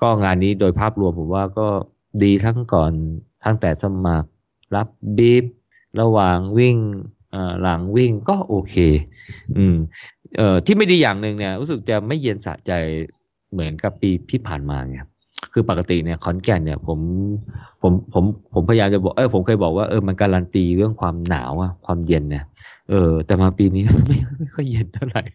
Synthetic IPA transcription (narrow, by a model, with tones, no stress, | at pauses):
kɔː˥˩ŋaː˧nːiː˦˥doː˧jpʰaː˥˩p̚ɾu˧əmpʰo˨˩˦mwaː˥˩kɔː˥˩ | diː˧t̪ʰa˦˥ŋkɔː˨˩nt̪ʰa˦˥˩ŋt̪ɛː˨˩sa˧ma˨˩k̚ | ɾa˦˥p̚biː˦˥˩p̚ | ɾa˧wa˨˩ŋwi˥˩ŋ | ʔɤː˨˩la˩˦ŋwi˥˩ŋkɔː˥˩ʔoː˧kʰeː˧ʔɯː˧˩mʔɤː˨˩t̪ʰiː˥˩ma˥˩jdiː˧jaː˨˩ŋnɯ˨˩ŋni˥˩ɾu˦˥sɯ˨˩k̚t͡ɕa˨˩ma˥˩jːi˧ənsa̰˨˩˦t͡ɕa˧j | mɯ˩˦ənka˨˩pːiː˧t̪ʰiː˥˩pʰaː˨˩nma̰ː˧ŋa˦˩˥ | kʰɯː˧˩pa˨˩kːa˧t̪i˨˩ni˥˩ɐkʰɔ˨˦˥nkɛː˧˩nni˥˩ɐpʰo˩˦mpʰo˩˦mpʰo˩˦mpʰo˩˦mʰ˧jaː˧mt͡ɕa˨˩bɔː˨˩ʔɤː˧˩pʰo˩˦mkʰɤː˧jbɔː˨˩k̚waː˥˩ʔɤː˧ma˧nkaː˧ɾa˧nt̪iː˧ɾɯ˥˩əŋkʰwaː˧mna̰ː˩˦wʔa˧˩kʰwaː˧mje˧nːa˦˥˩ʔɤː˧t̪ɛː˨˩maː˧piː˧niː˦˥˧ma˥˩jma˥˩jxʰɔ˥˩jːe˧nt̪ʰa˥˩ɾa˨˩j